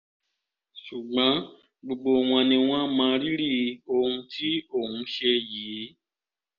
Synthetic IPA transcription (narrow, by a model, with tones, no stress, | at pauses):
ʃu˨ɡ͡bã˨˦ | ɡ͡bo˧ɡ͡bo˧w̃ɔ̃˧nĩ˧w̃ɔ̃˦mãː˧ɾi˦ɾi˦˨o˧hũ˧tʰi˦o˦˨hũ˧˦ʃe˧jiː˨˦